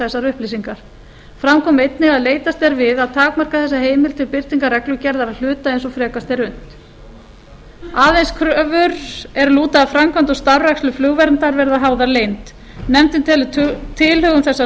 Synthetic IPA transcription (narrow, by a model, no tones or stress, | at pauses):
ɛsːaɾʏhplisiŋkaɾ̥ | fɾamkʰɔːmejt̪nɪɣaðleːjt̪ast̪ɛɾvɪðaðt̪ʰaːkmar̥kaθɛsːaheːjmɪlt̪ʰɪlpɪɾ̥t̪iŋkarɛklʏcɛɾðaɾaðl̥ʏːt̪aejnsɔfɾɛːkast̪ɛɾʏn̥t̪ | aːðenskʰɾœvʏɾɛɾluːt̪aðafɾamkʰvant̪ɔst̪aɾɛkslʏflʏɣvɛɾnt̪aɾvɛɾðaɦaːwðaɾleːjnt̪ | nɛmt̪ɪnt̪ʰɛlʏt̪ʰɪlhʏɣʏmθɛsːa